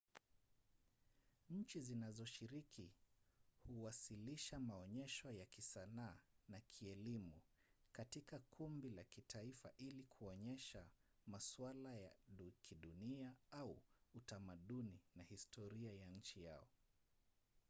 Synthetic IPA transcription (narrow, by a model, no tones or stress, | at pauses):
ɲ̩t͡ʃizinazɔʃiɾiki | huwasiliʃamaɔɲɛʃɔjakisanaːnakʰiɛlimukatikakʰumbilakitʰaifa̰ʔilikʰuɔɲɛʃamaswalaja̰ɗukʰiɗuniaauutamaɗuninahistʰɔɾiajaɲ̩t͡ʃija̰ɔ